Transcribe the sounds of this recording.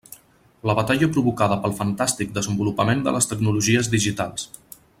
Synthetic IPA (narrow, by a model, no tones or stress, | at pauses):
ləβət̪aʎəpɾuβukaðəpəlˠfənt̪ast̪ik̚d̪əzəmbulupəmend̪ə̰ləst̪əknuluʒiəzðiʒit̪alˠs